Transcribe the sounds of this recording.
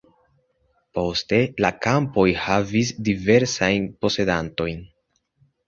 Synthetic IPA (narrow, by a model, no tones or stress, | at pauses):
po̞ste̞lakampo̞jhavisdive̞ɾsajnpo̞se̞danto̞jn